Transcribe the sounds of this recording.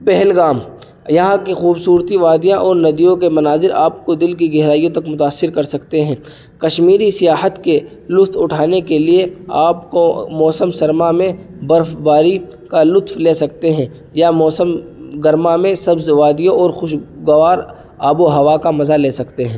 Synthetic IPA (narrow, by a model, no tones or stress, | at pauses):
pɛɦlɡaːm | jɐɦãkexuːbsuːɾt̪iʋaːd̪ijãʔɔːɾnɐd̪ijõkemɐnaːzɪɾaːpkod̪ɪlkiɡɛɦɾaːijõt̪ɐkmʊt̪aːsːɪɾkɐɾsɐkt̪eɦɛ̃ː | kɐʃmiːɾisɪjaːɦət̪ke | lʊst̪ʰʊʈʰaːnekelieaːpkomɔːsəmsɐɾmamẽbɐɾfbaːɾi | kalʊt̪fleːsɐkt̪eɦɛ̃ː | jamɔːsəmɡɐɾmamẽsɐbzʋaːd̪ijõʔɔːɾxʊʃɡɐʋaːɾ | aːboɦɐʋakamɐzaleːsɐkt̪eɦɛ̃ː